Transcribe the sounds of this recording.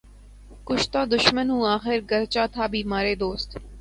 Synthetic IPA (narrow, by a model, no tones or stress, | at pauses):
kʊt͡ʃʰt̪aːd̪ʊʃmənɦũːaːxɪɾɡəɾt͡ʃaːt̪ʰaːbʱiːmaːɾeːd̪oːst̪